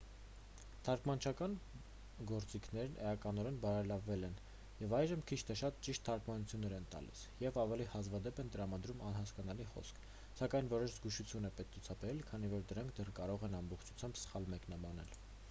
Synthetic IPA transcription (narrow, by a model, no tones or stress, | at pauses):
t̪ʰɑɾkmɑnt͡ʃʰɑkɑn | ɡɔɾt͡sikʰn̪ɛɾnʔɛɑkɑnɔɾɛnbɑɾɛlɑvːɛlɛn | jɛvɑjʒəmkʰit͡ʃʰt̪ʰɛʃɑt̪t͡ʃiʃt̪ʰːɑɾkmɑnut͡sʰjunːɛɾɛnt̪ɑ̰lḭs | jɛvɑvɛlihɑzvɑd̪ɛpɛnt̪əɾɑmɑd̪ɾumɑnhɑskɑnɑliχɔ̰skʰ | sɑkɑjnvɔɾɔʃzɡuʃut͡sʰjunɛpɛt̪ut͡sʰɑbɛɾɛlkʰɑn̪ivɔɾd̪əɾɑŋkʰd̪ɛrkɑɾɔʁɛnɑmbɔχt͡ʃʰu̥t͡sʰjɑmbsə̥χɑlmɛknɑbɑnɛ̰l